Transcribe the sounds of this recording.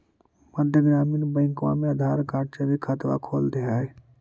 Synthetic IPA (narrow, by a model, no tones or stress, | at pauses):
məd̪ʱjəɡɾaːmiːnbə̃ɪ̃ŋkʋa̰mẽəd̪ʱaːɾkaːʈ̚t͡ʃabikʰət̪ʋa̰kʰoːld̪eɦaːe